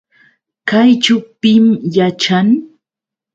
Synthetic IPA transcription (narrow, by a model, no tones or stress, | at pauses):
kajt͡ʃʊpɪmjat͡ʃaŋ